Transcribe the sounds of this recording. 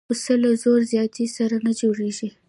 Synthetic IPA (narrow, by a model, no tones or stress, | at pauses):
usəlazoɾzjɑt̪isaɾanad͡ʒoɽeʒi